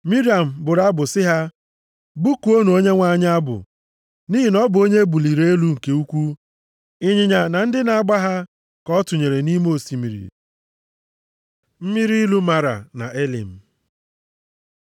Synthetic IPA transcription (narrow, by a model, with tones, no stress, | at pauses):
mi˦ɾi˦a˨m̩˨bʊ˨ɾa˦bʊ˨sɪ˦ɦa˦ | bu˦ku˨˦o˦nu˨o˦ɲe˦ŋʷa˦ɲ˦a˦bʊ̰˨ | ni˦ɦi˨nɔ˦bʊ˨o˦ɲe˦bu˨li˨ɾe˦e˦lu˦ŋ̩˨ke˦u˦kʷu˦ | ɪ˦ɲɪ˨ɲa˨na˨n̩˦dɪ˦na˨a˦ɡ͡ba˦ɦa˦ | kɔ˦tʊ˨ɲe˨ɾe˨ni˦m˦o˦˨si˨mḭ˨ɾḭ˨ | m̩˦mi˦ɾi˦lu˦ma˨ɾa̰˨na̰˨ʔe˦lḭ˨m̩˨